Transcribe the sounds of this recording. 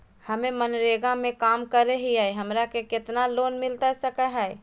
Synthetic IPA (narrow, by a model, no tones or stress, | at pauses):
həmẽmənɾeːɡãmẽkaːmkəɾeɦiaeɦəmɾakekɪt̪naloːnmɪlt̪asəkəɦɛɛ